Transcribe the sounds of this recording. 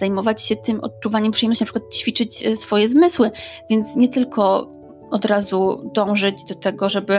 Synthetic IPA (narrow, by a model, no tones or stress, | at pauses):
z̥ajmɔvat͡ɕɕɛt̪ɘmʔɔ̰t̪̚t͡ʂuvaɲɛmpʂɨ̥jɛmnɔɕinpʂɘkwat̪̚t͡ɕfʲit͡ʂɘt͡ɕsfɔjɛzmɘswɘvʲjɛnt̪sɲɛt̪ɘlkʰɔ | ɔd̪ɾazud̪ɔ̃w̃ʐɘd͡ʑd̪ɔt̪ɛɡɔʐɛbɘ